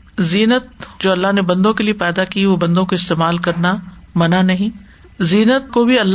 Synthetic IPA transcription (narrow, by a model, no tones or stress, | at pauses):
ziːnət̪̚d͡ʒoːɐlːaɦnebɐ̃nd̪õkeliepɛːd̪akiʋobɐ̃nd̪õkoɪst̪eːmaːlkɐɾnamɐnanɐɦĩː | ziːnət̪̚kobʱiɐlː